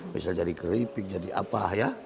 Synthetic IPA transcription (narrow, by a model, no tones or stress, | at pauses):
mḭsald͡ʒadikəɾipik̚d͡ʒadiʔa̰pahja